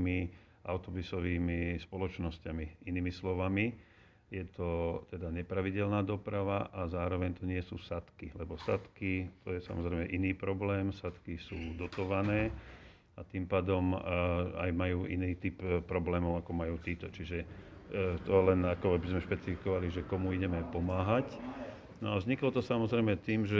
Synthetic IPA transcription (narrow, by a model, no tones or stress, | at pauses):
mi | ʔa̰ʊt̪ɔbusɔʋiːmispɔlɔt͡ʃnɔscamiiniːmislɔʋami | jɛt̪ɔt̪ɛd̪aɲɛpɾaʋiɟɛlnaːd̪ɔpɾaʋaʔazaːɾɔʋɛɲt̪ɔɲɪɛsuːsat̪kilɛbɔsat̪kit̪ɔjɛsa̰mɔzɾɛɪmɛʔiniːpɾɔblɛːmsat̪kisuːd̪ɔt̪ɔʋanɛː | at̪impaːd̪ɔm | a̰jmajuːʔḭniːt̪ippːɾɔblɛːmɔʊakɔmajuːt̪iːt̪ɔt͡ʃiʒɛ | t̪ɔlɛnakɔabizmɛʃpɛt͡sifikɔʋaliʒɛkɔmuiɟɛmɛpɔmaːɦac | nɔavzɲiklɔt̪ɔsamɔzɾɛjmɛt̪iːmʒɛ